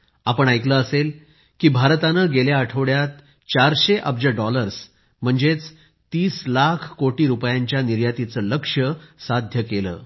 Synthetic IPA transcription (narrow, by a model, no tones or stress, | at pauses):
apəɳajkləəsel | kiːbʱaɾt̪anəɡeljaːʈʰəʋɽjat̪ | t͡ɕaɾɕeʔəb̚d͡ʑəɖɔləɾs | m̤əɳd͡zet͡s | t̪iːslakʰkoʈiːɾupjaɲt͡ɕjaniɾjat̪it͡səːləkʂəsad̪ʱjəkelə̰ː